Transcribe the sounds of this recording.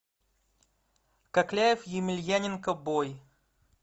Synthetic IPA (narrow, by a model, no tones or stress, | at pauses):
kɐklʲæjɪfjɪmʲɪlʲjænʲɪnkəboj